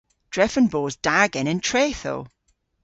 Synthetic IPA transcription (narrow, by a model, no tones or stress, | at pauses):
d̥ɹɛfə̃nboːzd̥aɡɪ̃nɪ̃ntʰɹ̥eːθo̰ː